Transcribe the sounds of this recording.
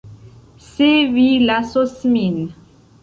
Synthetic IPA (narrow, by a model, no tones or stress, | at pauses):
sevilasosmin